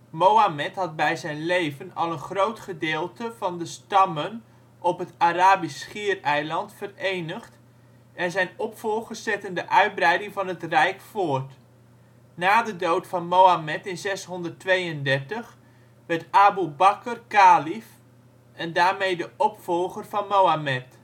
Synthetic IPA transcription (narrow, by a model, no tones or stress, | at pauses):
mowamɛtɦɑt̚bɛjzɛjnlejvənɑ̰lˠənχrowtχədeːlˠtəvɑndəstɑmən | ʔɔpɦətaraːbisχiːrɛjlɑntfərejnəχt | ɛnzɛjnɔpfɔlˠχəsɛtəndəʔœɥd̚brɛjdɪŋvɑnɦətrɛjkfʊərt | naːdədowtfɑnmowamɛtɪnzɛsɦɔndərtʋejəndɛrtəχ | ʋɛɹtabubakərkaːlif | ɛndaːrmejdəʔɔpfɔlˠχərvɑnmowamɛt